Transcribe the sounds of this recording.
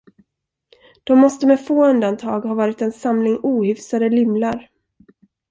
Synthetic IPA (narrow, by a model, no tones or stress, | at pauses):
d̪̥ɔmːɔst̪əmɛfoːɵnd̪ant̪ʰɑːɡhaːvɑːɾɪt̪ɛnsamlɪŋuːhʏfsad̪əlʏmlaɾ